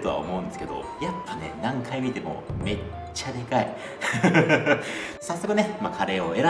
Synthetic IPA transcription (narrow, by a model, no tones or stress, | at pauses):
t̪o̞a̰o̰mo̞ːɯ̟̃nd̪e̞sɨ̥ke̞d̪o̞̰japːane̞̰nãŋkʰaimʲit̪e̞mo̞̰me̞ | t͡ɕːad̪e̞kai | sasːo̞kɯ̟ne̞makʰaɾe̞ːo̞e̞ɾa